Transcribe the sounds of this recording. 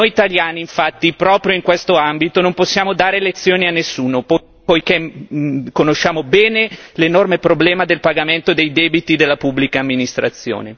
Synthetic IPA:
nojit̪aljaːniːɱfat̪ːipɾɔːpɾjoiŋkwest̪oambit̪onomposːjaːmod̪aːɾelet̪sːjoːnianːesːuːnop | pojke | konoʃːaːmobɛːnelenormepɾoblɛːmad̪elpaɡament̪od̪ejd̪ɛːbit̪id̪elːapubːlikaːmːinist̪ɾat̪sːjo̰ːne

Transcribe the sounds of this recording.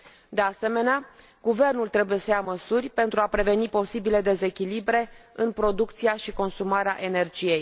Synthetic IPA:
d̪e̞ase̞me̞nea | ɡuve̞rnult̪ɾe̞buje̞səjaməsurʲpe̞nt̪ɾuapɾe̞ve̞nipo̞sibile̞d̪e̞ze̞kʲilibɾe̞ɨnpɾo̞d̪ukt̪siaʃiko̞nsumaɾea̰ʔe̞ne̞rd͡ʒije̞j

